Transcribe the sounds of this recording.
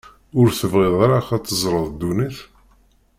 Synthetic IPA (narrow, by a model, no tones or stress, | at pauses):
ʊɾθəvʁɪðˤaɾaχat͡s̪ːəzˤɾˤəðˤd̪ːuniθ